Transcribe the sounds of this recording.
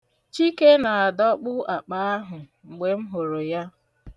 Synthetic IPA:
t͡ʃi˦ke˦na˨a˨dɔ˦k͡pʊ˦a˨k͡pa˦a˦ɦʊ˨ŋ͡m̩˨ɡ͡be˨m̩˦ɦo˨ɾo˨ja˦

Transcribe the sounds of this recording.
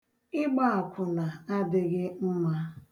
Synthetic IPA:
ɪ˦ɡ͡ba˦a˨kʷʰʊ˨na˨a˦dɪ˦ɣɪ˦m̩˦ma˦

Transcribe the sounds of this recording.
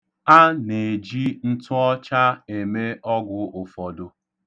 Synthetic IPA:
a˦ne˨d͡ʒi˦n̩˦tʊ˦ɔ˦t͡ʃa˦e˨me˦ɔ˦ɡʊ˨ʊ˨fɔ˨dʊ˨

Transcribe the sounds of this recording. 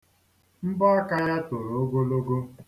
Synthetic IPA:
m̩˦bɔ˦a˦ka˦ɾa˦to˨ɾo˨o˦ɡo˦lo˦ɡo˦

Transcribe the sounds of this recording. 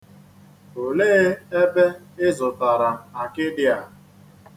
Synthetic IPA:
o˨leː˦e˦be˦ | ɪ˦zʊ˨ta˨ɾa˨a˨kɪ˦dɪ˦a˨

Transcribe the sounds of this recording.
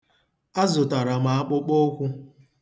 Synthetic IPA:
a˦zʊ˨ta˨ɾa˨ma˨a˦k͡pʊ˦k͡po˦kʷʊ˦

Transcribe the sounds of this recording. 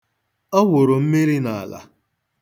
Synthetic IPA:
ɔ˦wo˨ɾo˨m̩˦mi˦ɾi˦na˨a˨la̰˨

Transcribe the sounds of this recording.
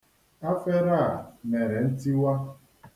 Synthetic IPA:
a˦fe˦ɾa˦˨me˨ɾe˨n̩˦ti˦wa˦

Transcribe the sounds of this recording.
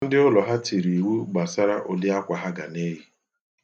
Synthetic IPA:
n̩˦dɪ˦ʊ˦lɔ˨ɦa˦ti˨ɾi˨wu˦ɡ͡ba˨sa˦ɾa˦ʔo˨lɪ˦a˦kʷa˨ɦa˦ɡa̰˨ne˦ɦi˦

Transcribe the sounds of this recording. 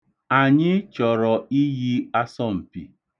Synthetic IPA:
a˨ɲɪ˦t͡ʃɔ˨ɾɔ˨i˦ɣi˦a˦sɔ˦m̩˨pḭ˨

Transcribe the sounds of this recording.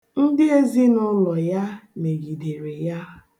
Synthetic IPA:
n̩˦dɪ˦e˦zi˦nʊ˦lɔ˨ja˦me˨ɡi˨de˨ɾe˨ja˦

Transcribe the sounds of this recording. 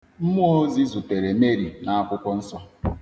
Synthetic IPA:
m̩˦mu˦o˦zi˦zʊ˨te˨ɾe˨me˦ɾi˨na˨a˦kʷʊ˦kʷʊ˦n̩˦sɔ˦

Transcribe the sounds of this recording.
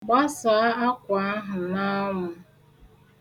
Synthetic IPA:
ɡ͡ba˦sa˨˦a˦kʷa˨a˦ɦʊ˨na˦ŋʊ˨

